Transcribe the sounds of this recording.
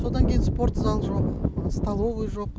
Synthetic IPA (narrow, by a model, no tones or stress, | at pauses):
so̞d̪ɑŋkʲʰe̞jinspo̞ɾt̪zɑlˠʒo̞qst̪ɑlˠovəjʒo̞q